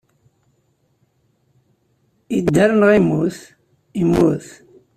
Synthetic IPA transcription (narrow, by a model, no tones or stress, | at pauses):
id̪ːaɾənʁimːuθ | imːuθ